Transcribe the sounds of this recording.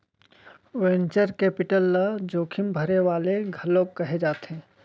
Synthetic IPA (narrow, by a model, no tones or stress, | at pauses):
wẽːnt͡ʃəɾkeːpɪʈəlːad͡ʒoːkʰɪmbʱəɾeʋaːleɡʱɐlːoːɡ̚kɐɦed͡ʒaːt̪eɦɛ̃ː